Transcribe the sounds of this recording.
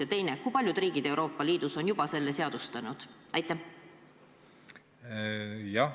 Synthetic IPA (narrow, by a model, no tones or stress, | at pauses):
ɑt̪e̞jnekujpɑlʲjud̪̥riːɡ̥id̪̥e̞wɾo̞ːpˑːɑliːd̪̥uso̞njub̥ɑse̞lːese̞ɑd̪̥ust̪ɑnud̪̥ | ɑjt̪ːˑæh | jɑ